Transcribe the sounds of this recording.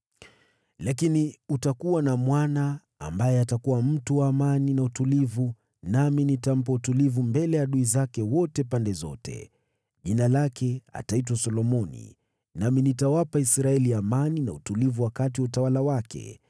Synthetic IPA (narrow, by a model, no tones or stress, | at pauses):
lakiniutakuwanamwana̰ː | mbajɛatakuwam̩tuwaːmaninautulivu | naminitam̩p̬autulivumbɛlɛjaɗuizakɛwɔtɛpandɛzɔ̰tɛ̰ | ʄinalakʰɛa̰tait̬wasɔlɔmɔnḭ | naminitawapaisɾaɛliamanina̰utulivuwakatiwautawalawakɛ̰